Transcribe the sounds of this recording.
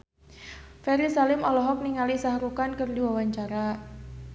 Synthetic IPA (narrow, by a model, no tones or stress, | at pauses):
fɛɾisalɪmɔlɔɦɔk̚niŋalisaɦɾukankərdiwawaɲt͡ʃaɾa